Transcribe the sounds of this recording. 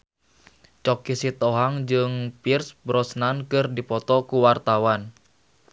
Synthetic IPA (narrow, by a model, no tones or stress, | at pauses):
t͡ʃɔkisit̪ɔɦaŋd͡ʒɨŋpirsbɾɔsnankɨrdipɔt̪ɔkuwart̪awan